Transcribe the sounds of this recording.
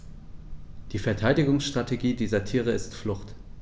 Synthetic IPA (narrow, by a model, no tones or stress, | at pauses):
d̥iːfɛɐtʰaɪdɪɡʊŋsʃtʁ̥atʰeɡiːdiːzɐtʰiːʁəɪstflʊχt